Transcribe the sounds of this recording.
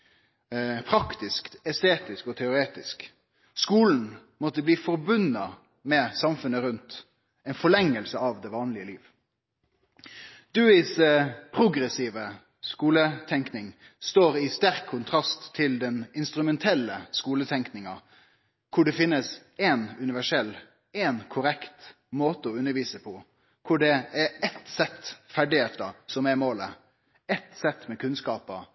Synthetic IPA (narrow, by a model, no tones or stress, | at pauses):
pʰɾɑkt̪ɪskt̪ɛst̪eːt̪ɪskɔt̪ʰɛʊɾeːt̪ɪsk | skuːln̩ | mɔt̪ːəbliːfɔɾbʉnɑ | mɛsɑmfʉnəɾʉnt̪ | ɛɪnfɔlɭɛŋːəlsəɑʋd̪ɛʋɑːnlɪəliːʋ | d̪̥ʉːɪspʰɾʊɡɾɛsiːʋə | skuːlət̪ʰɛŋknɪŋ | st̪oːɾɪst̪æɾkʰːʊnt̪ʰɾɑst̪ʰːɪld̪ɛnɪnst̪ɾʉmɛnt̪ʰɛlːəskuːlət̪ʰɛŋknɪŋɑ | kʰʊɖɛfɪnːəs | ɛnʉnɪʋæʂɛlː | ɛnkʰʊɾɛkt̪ | moːt̪əɔʉnːəɾʋiːsəpʰɔ | kʰʊɖɛæɾɛt̪sɛt̪ːfæɖɪeːtt̪əsɔmɛmoːlə | ɛt̪sɛt̪ːmɛkʰʉnskɑːpə